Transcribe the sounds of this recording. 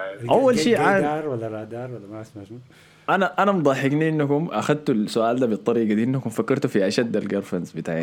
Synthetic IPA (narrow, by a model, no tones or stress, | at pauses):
ʔawːalʃiːaɑɾˤwalːaɾˤɑd̪ɑːɾwalːamasmama | ʔanaʔanamd̪ˤɑħɪɡniʔinːakumʔaxad̪̚t̪ulsʊʔaːld̪aːbit̪ˤːɑɾiːɡad̪iːʔinːakumfakːɑɾˤt̪ufiʕaʃad̪ːalɡɑɾˤfɑnzbit̪aːʕja